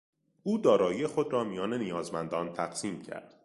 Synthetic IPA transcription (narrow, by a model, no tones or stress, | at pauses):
ʔuːd̪ɒːɾɒːjijexo̞d̪ɾɒːmijɒːne̞nijɒːzmænd̪ɒːnt̪ʰæɡsiːmcʰæ̰ɾd̪̥